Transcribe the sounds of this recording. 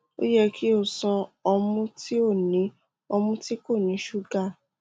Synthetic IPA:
o̰˦jɛ˦ki˦o˦˨sɔ̃˧ɔ˧mũ˧˦ti˦o˦˨nĩ˨˦ | ɔ˧mũ˦ti˦ko˦˨nĩ˨˦ʃu˦˨ɡa˦˨

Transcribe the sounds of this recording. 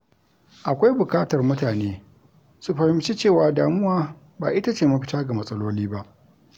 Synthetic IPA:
ʔa˨kʷa˦jbʊ˨kʼaː˦tɐ˨rmʊ˦taː˨neː˦ | su˦ɸɐ˨hɪ˦mt͡ʃi˦t͡ʃeː˦˨waː˨daː˨mʊ˦waː˦ | baː˨ʔɪ˦ta˦t͡ʃeː˨mɐ˦ɸɪ˦taː˦ɡa˨mɐ˨sʼɐ˦loː˦liː˦ba˦ʔ

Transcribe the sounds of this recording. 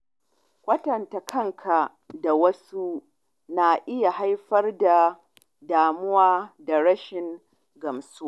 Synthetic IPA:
kʷʼɐ˦tɐ˨nta˨kʰɐ˦ŋkʰa˨ | da˨wɐ˦su˦ | na˨ʔɪ˦ja˨ɦa˦jɸɐ˦rda˨ | daː˨mʊ˦waː˦da˨ɽɐ˦ʃɪ˨ŋ | ɡɐ˨msu˦a˦˨

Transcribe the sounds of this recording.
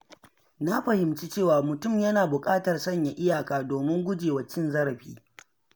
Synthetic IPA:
na˦ɸɐ˨hɪ˨mt͡ʃi˦t͡ʃeː˦˨waː˨mʊ˨tʊ˦˨mjɐ˦naː˨bʊ˨kʼaː˦tɐ˨rsɐ˦ɲja˨ʔɪ˦jaː˨kaː˨doː˨mɪ˦ŋɡʷʊ˦d͡ʒeː˨wɐ˨t͡ʃɪ˦nzɐ˦ɾɐ˨ɸiː˦

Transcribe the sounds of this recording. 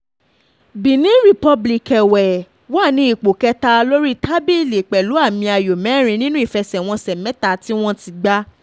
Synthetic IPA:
bĩ˨nĩ˨˦ɾi˨pɔ˧bli˨kɛ˨wɛ˨ | wa˦˨nĩ˦i˦˨k͡po˨kɛ˧ta˧lo˦ɾi˦tʰa˦bi˦˨le˨k͡pɛ˨lu˨˦a˦˨mĩ˧a˨jo˨mɛ̃˨˦˨ɾ̃ĩ˧nĩ˦nũ˦i˦˨fɛ˧sɛ˨w̃ɔ̃˧sɛ˨mɛ̃˨˦ta˦˨ti˦w̃ɔ̃˦ti˧ɡ͡ba˦

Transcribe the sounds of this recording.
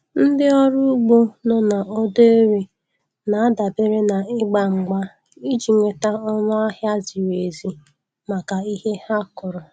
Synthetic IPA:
n̩˦dɪ˦ɔ˦ɾʊ˦u˦ɡ͡bo˦nɔ˦na˨ʔɔ˦de˦ɾe˨ | na˨a˦da˨be˦ɾe˦na˨ɪ˦ɡ͡ba˨ŋ͡m̩˨ɡ͡ba˦ | i˦d͡ʒi˨ŋʷe˨ta˦ɔ˦nʊ˦a˦ɦja˦zi˨we˨zi˨ | ma˨ka˨i˦he˦ha˦kʊ˨ɾʊ˨

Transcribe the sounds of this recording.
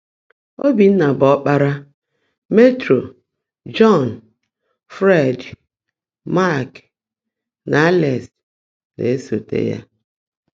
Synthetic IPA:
o˦bi˨n̩˦na˨bɔ˦k͡pa˦ɾa˦ | me˦tɾo˨ | d͡ʒɔ˦˨n˨ | fɾe˦˨d | ma˦˨k | na˨a˦lɛ˨s | nḛ˨e˦so˨tḛ˦ja̰˦

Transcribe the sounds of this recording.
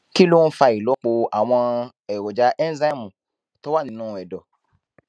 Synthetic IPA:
ki˦lu˦ũ˦fa˧i˨lɔ˨˦k͡po˧a˨w̃ɔ̃˧ | ɛ˨wo˨d͡ʒa˦ʔɛ˦n˦za˦˨mũ˨ | to˦wa˦˨nĩ˧˦nũː˦ɛ˨dɔ˨

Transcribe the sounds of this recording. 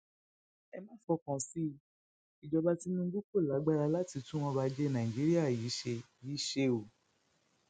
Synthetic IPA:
ɛ˧mãː˦˨fɔ˧kã˨si˦ | i˨d͡ʒɔ˧ba˧ti˧nũ˦˧˦ɡu˦k͡po˦˨la˨˦ɡ͡ba˦ɾa˧la˦ti˧tũ˦w̃ɔ̃˧ba˧d͡ʒe˦nã˨ĩ˨d͡ʒi˨˦ɾi˦a˦˨ji˨˦ʃe˧ | ji˨˦ʃe˧o˨

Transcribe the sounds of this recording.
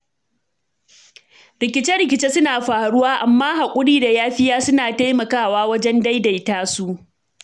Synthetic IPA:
ɾɪ˨kʲɪ˦t͡ʃɛ˦ɽɪ˨kʲɪ˨t͡ʃeː˦sʊ˦naː˨ɸaː˨ɽʊ˦waː˦ʔa˨mːaː˦ɦa˨kʷʼʊ˦ɽiː˦da˨jaː˦ɸɪ˦jaː˦sʊ˦naː˨ta˦jmɐ˨kaː˦˨waː˦wɐ˦d͡ʒɛ˦nda˦jda˨jtaː˦su˦ʔ

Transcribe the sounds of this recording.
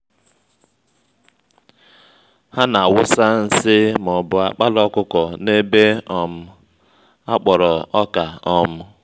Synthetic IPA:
ha˦na˨a˨wʊ˦sa˦n̩˦sɪ˦m˨ɔ˨bʊ˨a˨k͡pa˦lɔ˦kʊ˦kɔ˨ne˦be˦ɔ˦m̩˦ | a˦k͡pɔ˨ɾɔ˨ɔ˦ka˨ɔ˦m̩˦

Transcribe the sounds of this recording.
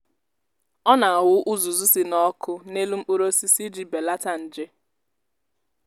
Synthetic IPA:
ɔ˦na˨a˨wʊ˦ʔʊ˦zu˨zu˦si˨nɔ˦kʰʊ˦ne˦lu˦m̩˦u˦ɾo˦si˦si˦d͡ʒi˨be˨la˦ta˦n̩˨d͡ʒe˦

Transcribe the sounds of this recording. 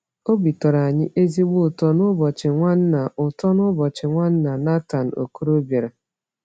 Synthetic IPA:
o˦bi˨tɔ˨ɾa˨ɲɪ˦ʔe˦zi˦ɡ͡bʊ˦˨tɔ˦nʊ˦bɔ˨t͡ʃɪ˨ŋʷa˦n̩˦na˨ʔʊ˨tɔ˦nʊ˦bɔ˨t͡ʃɪ˨ŋʷa˦n̩˦na˨na˦ta˨n̩˨o̰˨ku˦ɾo˦bje˨ɾa˨

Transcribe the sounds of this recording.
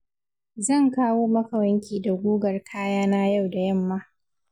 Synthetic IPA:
zɐ˦˨ŋkaː˦woː˦mɐ˦kɐ˨wɐ˦ŋkʲiː˨da˨ɡʷuː˦ɡɐ˨rkʰaː˦jaː˦naː˦ja˦˨wda˨jɐ˦˨mːaː˦

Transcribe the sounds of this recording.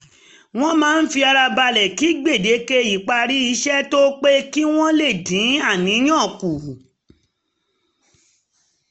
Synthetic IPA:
w̃ɔ̃˦mãː˦n̩˦fi˧a˧ɾa˧ba˧lɛ˨ki˨˦ɡ͡be˦˨de˨˦ke˦i˨k͡pa˧ɾi˦i˧˦ʃɛ˦to˦k͡pe˦ki˦w̃ɔ̃˦le˦˨dĩ˨˦a˦˨nĩ˨˦j̃ɔ̃˦˨ku˨

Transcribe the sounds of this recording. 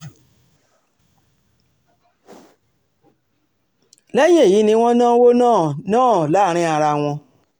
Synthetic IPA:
le˦je˦˨ji˨˦nĩ˦w̃ɔ̃˦nãː˦wo˦nãː˦˨nãː˦˨la˦˨ɾ̃ĩ˦a˧ɾa˧w̃ɔ̃˧

